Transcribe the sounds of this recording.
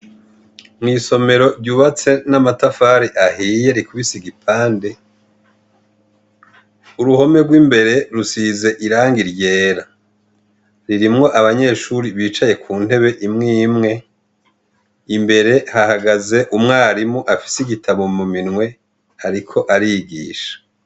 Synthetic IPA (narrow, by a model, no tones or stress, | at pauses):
mŋiːso̞me̞ɾo̞ɾɟuːβat͡se̞namatafaɾiʔahiːje̞ɾikuβisiɡipʰaːnde̞ | uɾuho̞me̞ɡwiːmbe̞ɾe̞ɾusize̞ʔiɾaːŋɡiɾje̞ːɾa | ɾiɾimŋo̞ʔaβaɲe̞ːʃuɾiβiːt͡ʃaje̞kʰuːn̥e̞βe̞ʔimŋiːmŋe̞ | imbe̞ɾe̞hahaɡaze̞ʔumŋaːɾimuʔafi̥siɡitʰaβomuminŋwe̞ | haɾikʰo̞ʔaɾiɡḭːʃḁ